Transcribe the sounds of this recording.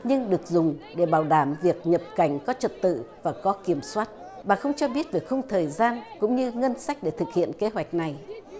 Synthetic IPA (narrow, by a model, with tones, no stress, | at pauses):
ɲɨ˧ŋɗɨ˨˩ək̚zʊ˨˩ŋ͡mɗe˧˩ɓaː˧˩wɗaː˧˩mvi˨˩ək̚ɲə˨˩p̚ka˧˩jŋ̟kɔ˨˦t͡ɕə˨˩t̚t̪ɨ̰˧˨vaː˨˩kɔ˨˦ki˧˩əmswaː˦˥t̚ | ɓa̰ː˧˨˩xə˧wŋ͡mt͡ɕɔ˧ɓi˦˥ət̚vi˨˩əkxə˧ŋ͡mt̪ʰəː˨˩jzaː˧nkʊ̰˧˥ŋ͡mɲɨ˧ŋə˧nsa˦˥jk̟̚ɗe˧˩t̪ʰɨ˨˩k̚hḭ˧˨ənke˨˦ɦwa˨˩jk̟̚na˨˩j